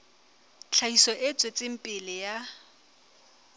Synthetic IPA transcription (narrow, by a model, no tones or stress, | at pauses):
t͡ɬʰaisɔʔet͡sʼwet͡sʼɪm̩pʼɪlɪja